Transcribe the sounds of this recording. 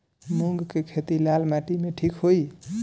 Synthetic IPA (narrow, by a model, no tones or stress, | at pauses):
muŋɡkekʰet̪ilalmaʈimeʈʰikɦoj